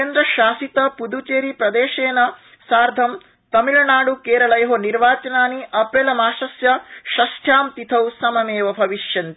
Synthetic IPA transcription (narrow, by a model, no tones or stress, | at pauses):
eːnd̪ɾɐʃaːsit̪ɐpud̪ut͡ʃeːɾipɾɐd̪eːʃeːnɐ | saːɾd̪ʱɐm | t̪ɐmilɐnaːɽukeːɾɐɭɐjɐɦoniɾʋaːt͡ʃɐnaːniʔɐpɾeːlɐmaːʃɐsjɐʃɐsʈ̪ʰjaːmt̪it̪ʰɐwsɐmɐmeːʋɐbʱɐʋiʃjɐnt̪i